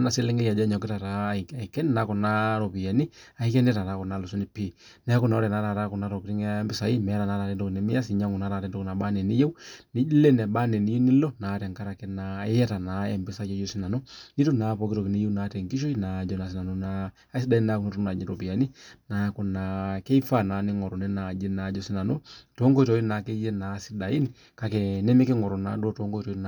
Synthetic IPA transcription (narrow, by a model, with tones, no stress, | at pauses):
na˨si˦lɛ˦ŋe˦ja˨d͡ʒɛ˦ɲɔ˨kɪ˦ɾa˨ɾa˨˦˨a˨kɛ˦nna˦kɔ˨na˦ɾo˨pɪ˨ja˨ni˦ | a˨i˦kɛ˦n˦ɛ˦ɾa˨ɾa˨˦kɔ˨na˦lo˨su˦nɪ˨pi˦ | nɛ˦kʊ˦na˨˦ɾɛ˨na˨˦ɾa˨ɾa˦kʊ˨na˦ɾɔ˨kɾi˦ŋ˦mbɪ˦sa˨˦i˦mɛ˨˦ɾa˨na˨˦ɾa˨ɾɛ˦nto˨kɪ˨nɛ˨˦mɪ˦a˦s̬i˨ɲa˦ŋu˨na˨˦ɾa˨ɾɛ˦nto˦kna˨ba˦ne˨ni˦je˦wni˨˦d͡ʒi˦le˦nɛ˨ɓa˦ne˨ni˦ji˦ni˦lo˦na˨˦tɛ˨ŋka˦ɾa˨kɛ˦na˨˦ɛ˦ta˨na˨˦ɛ˨mbɪ˦sa˦t͡ʃɔ˦d͡ʒo˦si˦na˨nʊ˦ni˦tu˦naː˨˦pɔ˨˦kɪ˦ɾo˨kɪ˨ni˦je˦naː˨˦tɛ˨ŋki˦ʃ̬o˦i˦na˨d͡ʒɔ˦na˨s̬i˦na˨no˦na˦ | a˦s̬i˦da˨i˦nna˨˦ku˦no˦tu˦na˨d͡ʒɛ˨˦to˨pi˨a˨ni˦na˨˦ku˨˦na˨kɛ˦jfa˦˨na˨˦nɪ˦ŋɔ˨ɾɔ˨nɛ˦na˨d͡ʒi˦na˨˦d͡ʒɔ˨si˦na˨no˦to˦ŋɡo˦i˨to˨i˦na˨˦kɛ˦jɛ˦na˨˦si˦da˨i˦n˨ | ka˦kɛ˨nɛ˦mɪ˦kɪ˦ŋɔ˨ɾɔ˨na̰˨˦dɔ˦to˦ŋɡo˦i˨tɔ˨˦n